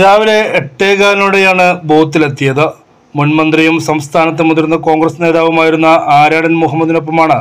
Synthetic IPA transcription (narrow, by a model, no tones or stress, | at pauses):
ðaːʋile̞ːʈːe̞ːɣaːnuːɽejaːɳɨbo̞ːt̪̬ːilet̪ːijɐðɨ | munmɐnd̪rijumsɐmst̪ʰaːnɐt̪ːemund̪iɾnːɐko̞ːŋɡrɐsne̞ːðaːʋumaːjiɾunːɐʔaːɾaːɳɐnmuɦɐmːɐd̪ino̞p̬ːɐmaːɳɨ